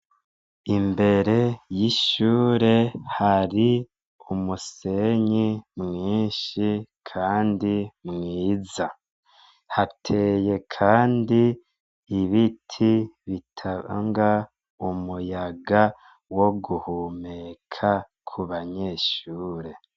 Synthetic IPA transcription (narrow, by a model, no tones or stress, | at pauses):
imbe̞ɾe̞jiʃuːɾe̞haɾi | umuse̞ɲimŋiːnʃikʰaːndimŋiːza | hatʰe̞je̞kʰaːndi | iβitʰiβitʰaβa̰ŋɡa | umujaɡa | wo̞ɡuhumekʰa | kʰuβaɲe̞ːʃuːɾe̞